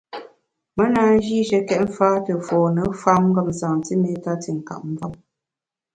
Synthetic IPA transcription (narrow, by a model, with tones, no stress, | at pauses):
mə˦na˨˦n̩˦d͡ʒi˦ʃə˨˦kɛ˦˨t̚m̩˦faː˦tə˨fɔː˨nə˨˦fa˦mŋ˦ɡə˦˨mzaː˨ti˦me˦ta˦ti˨ŋ̩˨ka̰˨ʔ̚m̩˦vɔ˦˨m